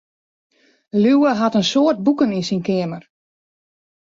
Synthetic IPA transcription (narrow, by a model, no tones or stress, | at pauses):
lywəɦatənsoːt̚bukəninsinkɪəmər